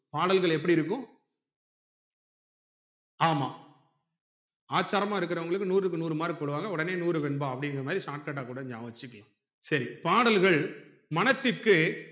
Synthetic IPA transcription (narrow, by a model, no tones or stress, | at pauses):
paːɽɐlɣɐɭɛp̬ːɐɽiɪɾɯkːʊ̃ | aːmaː | aːt͡ʃːaːɾɐmaːɪɾɯk̬ːɯɾɐʊŋɡɐɭɯkːɯnuːɾɯkːɯnuːɾɯmaːɾɯkɔɽɯʋaːŋɡɐɔɽɐneːnuːɾɯʋɛnbaːɐpːɐɽɪŋɡɐɾɐmaːðɾisaːʈ̚kɐʈ̬ːaːkuːɽɐɪɲd͡ʒaːʋɐt͡ʃːɪkːɐɭã | sɐɾipaːɽɐlɣɐɭ | mɐnɐt̪ːɪkːɯ